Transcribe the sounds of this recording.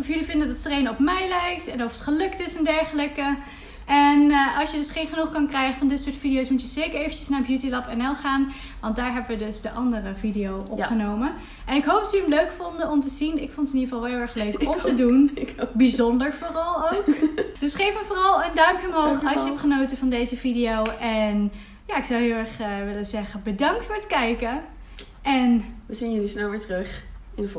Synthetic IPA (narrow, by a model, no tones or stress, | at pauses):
fjəlivɪndədɑttrejnɔpmɛjlɛjk̚tɛnɔfətχəlɵktɪsɛndɛɹχələkə | ɛnʔɑ̰lˠsjədɵsχejnχənuχkɑnkrɛjχənfɑndɪtsʊːɹtfidijowsmutəz̥eːkəɹejvənt͡ʃəsnaːɹbjutilɑpɛnɛlˠχaːn | ʋɑnt̚daːɹɦɛbəʋədɵsdəʔɑndərəvidijowʔɔpχənowmən | ʔɛnɪkɦowp̚dɑtjəəmløɥkfɔndəɔmtəzinɪkfɔntəɪniɹvɑlˠʋɦɪːlˠɛɹχløɥkɔmtədunbizɔndəɹvʊːrɑlˠowkd̥əsχejfəvʊːrɑlˠəndœɥməmɦoχɑʃjəɛptχənowtəvɑndejzəvidijowʔɛn | jaːɪksɑwɦɪːlˠɛɹχəʋɪləzɛχənbədɑŋk̚tfʊːɹətkɛjkə | ʔɛnʋəzinjənysnɛlˠʋɪːɹtrɵχ | ɪn